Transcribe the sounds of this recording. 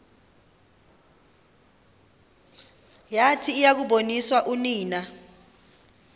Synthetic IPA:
jatʰiːjak̬uɓoniswaʔuniːna

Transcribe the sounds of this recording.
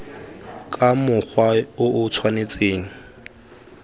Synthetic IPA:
kʼamʊk͡xʰwaʊʔʊt͡sʰwanet͡sʼeːŋ̩

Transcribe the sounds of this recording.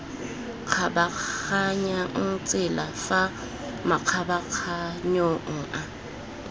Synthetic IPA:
q͡χʰabak͡xaɲat͡sʼɪlafa | maq͡χʰabaq͡χʰaɲoŋ̩ʔa

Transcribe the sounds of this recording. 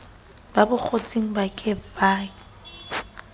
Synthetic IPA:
babʊk͡xʰot͡sʼeŋ̩bakʼɪbaː

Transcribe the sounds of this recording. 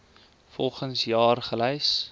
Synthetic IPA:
fɔlˠχənsjɑːrχəlɛjs

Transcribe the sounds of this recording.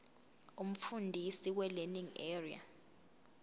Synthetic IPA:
um̩fundʱisiwɛleniŋɛria̰

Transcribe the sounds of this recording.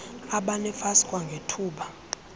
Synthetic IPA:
aɓanɛfasi̥kʼwaŋɡʱetʰuːɓa

